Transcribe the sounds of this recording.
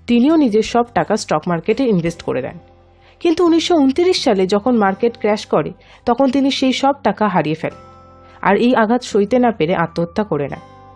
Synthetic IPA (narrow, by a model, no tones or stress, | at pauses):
t̪inionid͡ʑeɾʃɔbʈakasʈɔkmaɾkeʈeinbʱesʈko̰ɾḛd̪ɛ̰n | kint̪uuniʃːount̪iɾiʃʃaled͡ʑɔkʰonmaɾkeʈkɾɛʃkɔɾe | t̪ɔkʰont̪̬iniʃejʃɔb̚ʈakaɦaɾijefelen | a̰ɾejaɡʱat̪ʃojt̪enapeɾeʔat̪ːot̪ʰːakoɾena̰